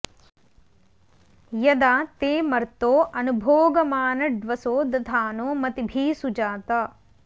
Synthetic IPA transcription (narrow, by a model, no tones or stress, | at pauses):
jɐd̪aːt̪eːmɐɾt̪oːʔɐnubʱoːɡɐmaːnɐɖʋɐsoːd̪ʱd̪ʱaːnoːmɐt̪ibʱiːsud͡ʒaːt̪aː